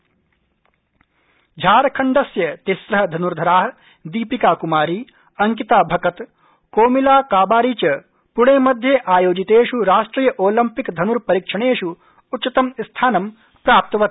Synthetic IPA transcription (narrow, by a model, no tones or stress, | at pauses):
d͡ʒʱaːɾɐkʰɐɳɖɐsjɐt̪isɾɐɦɐd̪ʱɐnuɾd̪ʱɐɾaːɦɐ | d̪iːpikaːkumaːɾiː | ɐŋkit̪aːbʱɐkɐt̪ | koːmilaːkaːbaːɾiːt͡ʃɐ | puɳeːmɐd̪ʱjeːʔaːjoːd͡ʒit̪eːʃuɾaːʂʈɾiːjɐʔoːlɐmpikd̪ʱɐnuɾpɐɾiːkʂɐɽeːʂuː | tːt͡ʃit̪ɐmst̪ʰaːnɐm | pɾaːp̚t̪ɐʋɐt̪